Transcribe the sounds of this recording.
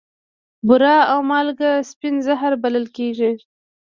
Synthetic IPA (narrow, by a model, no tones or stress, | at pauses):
bʊɾɑawmɑlɡaspinzaɦaɾbaləlkeʒi